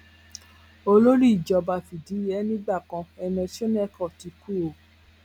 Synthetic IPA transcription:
o˧lo˦ɾi˦i˨d͡ʒɔ˧ba˧fi˨di˨˦ɛ˦nĩ˦ɡ͡ba˦˨kã˧ɛ˧nɔ̃˧ti˦o˦n˦ɛ˦˨kɔ̃˦˨ti˨˧ku˦o˨

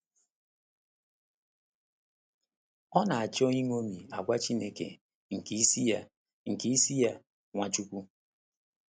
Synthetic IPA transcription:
ɔ˦na˨a˨t͡ʃɔ˦i˦ŋ˦o˦mi˨a˨ɡʷa˦t͡ʃi˦ne˦kḛ˨ | ŋ̩˨ki˦si˦ja˦ | ŋ̩˨ki˦si˦ja˦ | ŋʷa˦t͡ʃu˦kʷu˦

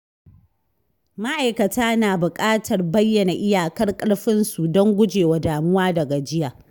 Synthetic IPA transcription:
ma˦ʔa˨jkɐ˨taː˦naː˨bʊ˨kʼaː˦tʰɐ˨rbɐ˦jːɐ˨na˨ʔɪ˦jaː˨kɐ˦rkʼɐ˦rɸɪ˦nsu˨dɔ˦ŋɡʷʊ˦d͡ʒeː˨wa˨˦daː˨mʊ˦waː˦dɐ˨ɡa˨d͡ʒɪ˦jaː˨

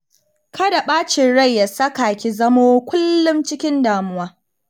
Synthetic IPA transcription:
kʰɐ˦da˨ɓaː˦t͡ʃɪ˨ɽɐ˦˨jːa˨sɐ˦ka˨kʲi˨zɐ˦moː˦kʷʊ˦lːʊ˦mt͡ʃɪ˦kʲɪ˦ndaː˨mʊ˦waː˦

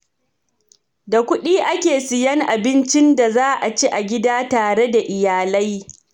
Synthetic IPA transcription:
da˨kʷʊ˦ɗiː˦ʔa˦kʲeː˨sɪ˨jɐ˦ŋʔa˨bɪ˦nt͡ʃɪ˦nda˨zaː˦ʔa˨t͡ʃi˦ʔa˨ɡʲɪ˦daː˦taː˨ɽe˦da˨ʔɪ˨jaː˨lɐ˦j

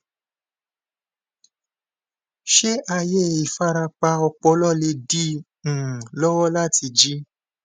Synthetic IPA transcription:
ʃe˦ʔa˧je˦˨i˨fa˦ɾa˧k͡pa˧ɔ˧k͡pɔ˧˦lɔ˦˨le˧dĩ˦˨ | lɔ˦wɔ˦la˦˨ti˧d͡ʒi˦

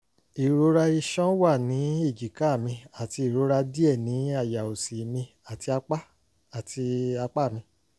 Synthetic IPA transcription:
i˨ɾo˨˧˦ɾa˧i˧ʃɔ̃˦wa˦˨nĩ˨˦e˦˨d͡ʒi˨ka˦˨mĩ˧a˨ti˧i˨ɾo˨˦ɾa˧di˦ɛ˦˨nĩ˨˦a˦˨ja˨o˨si˨mĩ˧ | a˨ti˧a˧k͡pa˦ | a˨ti˧a˧k͡pa˦˨mĩ˧

